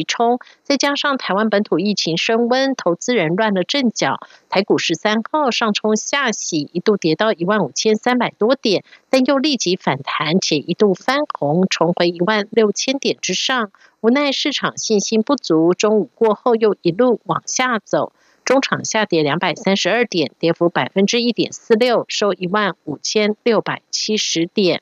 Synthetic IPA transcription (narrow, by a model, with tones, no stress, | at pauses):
i˧˥ʈ͡ʂʰʊ˥ŋt͡sa˥˩ɪt͡ɕja˥ʂɑ˥˩ŋt̪ʰa˧˥ɪwa˥npə˧˥nt̪ʰu˨˩i˥˩t͡ɕʰi˧˥ŋʂə˥ŋwə˥nt̪ʰo˧˥ʊt͡sɹ̩˥ɻə˧˥nlwa˥˩nlə˩ʈ͡ʂə˥˩ŋt͡ɕjɑ˨˩˦ʊt̪ʰa˧˥ɪku˨˩ʂɻ̩˧˥sa˥nxɑ˥˩ʊʂɑ˥˩ŋʈ͡ʂʰʊ˥ŋɕja˥˩ɕi˨˩i˧˥t̪u˥˩t̪jɛ˧˥t̪ɑ˥˩ʊi˧˥wa˥˩nu˨˩t͡ɕʰjɛ˥nsa˥npa˨˩ɪt̪wɔ˥t̪jɛ˨˩nt̪a˥˧njo˥˧ʊli˥˩t͡ɕi˧˥fa˨˩nt̪ʰa˧˥nt͡ɕʰjɛ˨˩ʔi˧˥t̪u˥˩fa˥nxʊ˧˥ŋʈ͡ʂʰʊ˧˥ŋxwe˧˥ɪi˧˥wa˥˧nljo˥˩ʊt͡ɕʰjɛ˥nt̪jɛ˨˩nʈ͡ʂɻ̩˥ʂɑ˥˩ŋ | u˧˥na˥˧ɪʂɻ̩˥˩ʈ͡ʂʰɑ˨˩ŋɕi˥˩nɕi˥npu˥˩t͡su˧˥ʈ͡ʂʊ˥ŋu˨˩kwɔ˥˧xo˥˧ʊjo˥˩ʊi˧˥lu˥˩wɑ˨˩ŋɕja˥˩t͡so˨˩ʊ | ʈ͡ʂʊ˥ŋʈ͡ʂʰɑ˨˩ŋɕja˥˩t̪jɛ˧˥ljɑ˧˥ŋpa˨˩ɪsa˥nʂɻ̩˧˥ə˞˥˩t̪jɛ˨˩nt̪jɛ˧˥fu˧˥pa˨˩ɪfə˥nʈ͡ʂɻ̩˥i˥˩t̪jɛ̰˨˩nsɹ̩˥˧ljo˥˩ʊʂo˥ʊʔi˧˥wa˥˩nu˨˩t͡ɕʰjɛ˥nljo˥˩ʊpa˨˩ɪt͡ɕʰi˥ʂɻ̩˧˥t̪jɛ˨˩˦n